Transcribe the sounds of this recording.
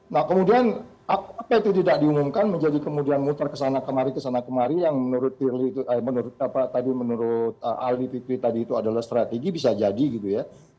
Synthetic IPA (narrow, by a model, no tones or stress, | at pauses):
nahkəmudianʔapapajt̪ididak̚diumumkanməɲd͡ʒadikəmudianmut̪arkəsanakəmaɾikəsanakəmaɾijaŋmənuɾʊt̪̚ːirliːt̪uʔəmənuɾʊt̪̚apat̪adimənuɾʊt̪̚əʔalipit̪ɾit̪adiːt̪uadalahst̪ɾat̪eɡibisad͡ʒadiɡit̪uja